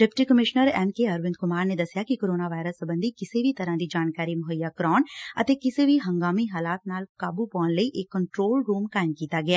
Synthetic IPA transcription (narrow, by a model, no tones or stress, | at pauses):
ɖɛpɪʈikəmɪʃnəɾɛːmkeɐɾʋɪnd̪̚kʊmaːɾned̪ɐsɪjakikoːɾoːnaʋaːɪɾəsːəbə̃nd̪ʱikɪsebʱit̪ɐɾãd̪id͡ʒaːnkaːɾimʊɦəjakɾɔːnɐ̰t̪ekɪsebʱiɦɐ̃ŋɡaːmiɦaːlaːt̪naːlkaːbupɔːnləiʔeːkːəɳʈɾoːlɾuːmkaːɪmkiːt̪aɡɪaː